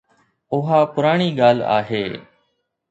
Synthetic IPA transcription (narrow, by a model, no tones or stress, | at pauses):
ʊɦaːpʊɾaːɳiːɠaːla̰ːɦeː